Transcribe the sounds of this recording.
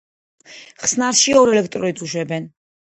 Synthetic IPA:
χsnaɾʃiɔɾɛlɛk̚ʰt̪ʼɾɔit̪suʃwɛbɛn

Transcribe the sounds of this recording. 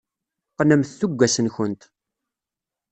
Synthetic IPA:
qnəmθθuɡʷːæsənçənt̪

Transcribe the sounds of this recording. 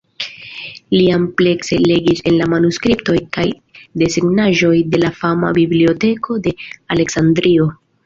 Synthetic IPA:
liample̞kse̞le̞ɡise̞nlamanuskɾipto̞jkaj | de̞siɡnaʒo̞jde̞lafama̰biblio̞te̞kʰo̞de̞ale̞ksandɾio̞

